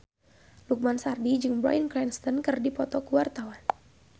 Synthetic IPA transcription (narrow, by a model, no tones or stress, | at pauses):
luk̚mansardid͡ʒɨŋbɾɔ̰jənklɛnst̪ɔnkɨrdipɔt̪ɔkuwart̪awan